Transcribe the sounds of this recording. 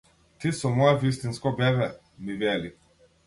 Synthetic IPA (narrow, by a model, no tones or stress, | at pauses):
t̪isɔmɔjavist̪inskɔbɛβɛ | nivɛli